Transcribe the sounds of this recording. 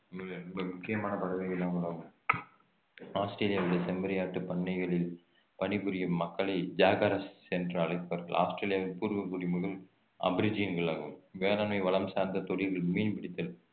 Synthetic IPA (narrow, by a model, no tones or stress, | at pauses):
ɐɐɾɛmbɐmʊkːɪjɐmaːnɐpɐðɐʋɐɪɣɐlːaːmɡɐɭaːɣɯm | aːsʈɾeːlɪjaːʋɪɽɐsɛmbɐɾɐjaːʈːɯpɐɳːɐɪɣɐɭɪl | pɐɳɪpɯɾɪjɯmːɐkːɐɭɐɪd͡ʒaːɣɐɾɐsɛnɖɾɐɐlɐɪpːɐʋɐɾɣɐ̰ɭʔa̰ːsʈɾeːlɪjaːʋɪlpuːɾʋɐkuɽɪjmʊɣɐɭ | ɐ̰bɐɾɪd͡ʒiːnɡɐɭaːɣɯmʋeːlaːnmɐɪʋɐɭɐmsaːɾnd̪ɐt̪ɔɽɪɾɣɐɭmiːnpɪɽɪt̪ːɐl